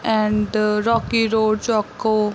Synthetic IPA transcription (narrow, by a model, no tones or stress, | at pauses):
ɛ̃ɳɖɾɔːkiɾoːɖt͡ʃɔkːo